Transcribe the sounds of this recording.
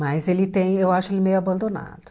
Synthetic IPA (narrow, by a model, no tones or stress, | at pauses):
mɐjzelɪt̪ẽj̃ewaʃʊelɪmejʊabɐ̃nd̪ona̰d̪ʊ